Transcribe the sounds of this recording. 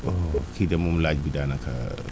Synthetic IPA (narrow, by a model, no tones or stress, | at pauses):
okʰid̪ɐmumlaːd͡ʒbid̪aːnakʰa̰